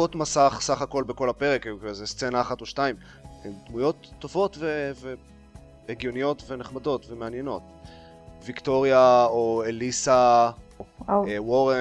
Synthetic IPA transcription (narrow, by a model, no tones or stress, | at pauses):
otmasaχsaχako̞lbeko̞lape̞ʁekzest͡senaːχatoʃtaim | ed̪mujo̞tːo̞vo̞tve̞ve | eɡjo̞nijo̞tve̞neχmado̞tve̞meanje̞no̞t | vikto̞ʁjaoelisa | woʁe